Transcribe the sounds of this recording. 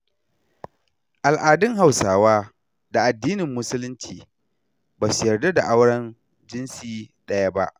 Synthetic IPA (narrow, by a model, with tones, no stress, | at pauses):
ʔa˨lʔaː˨dɪ˦ŋɦa˨wsaː˨waː˦ | da˨ʔa˨dːiː˦nɪ˨mːʊ˦sʊ˦lɪ˦nt͡ʃiː˨ | baː˨sʊ˨jɐ˨rda˦da˨ʔa˦wɽɐ˦n | d͡ʒɪ˦nsiː˦ɗɐ˦ja˦ba˦ʔ